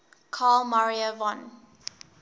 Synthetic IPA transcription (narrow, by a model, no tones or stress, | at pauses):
kʰaːlmaɹiəvɔ̃n